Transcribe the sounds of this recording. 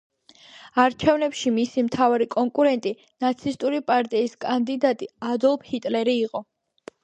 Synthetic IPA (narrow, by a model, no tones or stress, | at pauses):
aɾt͡ʃʰɛvnɛpʃimisimt̪ʰavaɾikʼɔŋkʼuɾɛnt̪ʼi | nat̪sʰist̪ʼuɾipʼaɾt̪ʼiːskʼand̪id̪at̪ʼiad̪ɔlˠbhit̪ʼlɛɾiːqʼɔ